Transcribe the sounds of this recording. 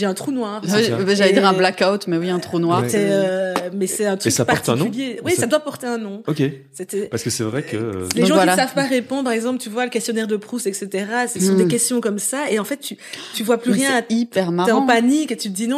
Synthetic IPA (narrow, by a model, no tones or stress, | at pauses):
ʒeɛ̃t̪χunwaːʁbʒalɛed̪iʁɛ̃blakawt̪mɛwiɛ̃t̪χunwaʁsɛømɛsɛt̪ɛ̃t̪χksapaɔʁt̪ɛĩnk̪ɔ̃yljewisad̪wapɔʁt̪eɛ̃nɔ̃okʲe | sɛt̪ɛpaʁsəkəsɛvʁɛkə̰leʒɑ̃wkilsavpaʁepɔ̃d̪ʁpaʁɛɡzɑ̃plt̪yvwaləkʲɛst̪jɔnɛʁd̪əpχusɛkset̪eʁasəsɔ̃d̪ekʲɛst̪jɔ̃kɔmsaeɑ̃fɛt̪ːyt̪yvwaplyʁjɛ̃aipɛʁmaɑ̃paniket̪yt̪əd̪inɔ̃